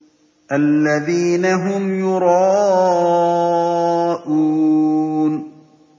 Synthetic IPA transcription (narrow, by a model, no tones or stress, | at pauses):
ʔalːaðiːnaɦʊmjʊɾˤɑː | ʔuː | n